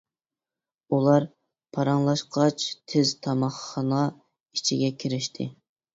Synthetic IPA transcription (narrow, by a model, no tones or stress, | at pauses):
ulˠɑɾ | pʰɑɾɑŋlˠɑʃqʰɑt͡ʃt̪ʰɪzt̪ʰɑmɑχːɑnɑ | it͡ʃʰiɡʲɛkʲʰiɾɪʃt̪ʰɪ̰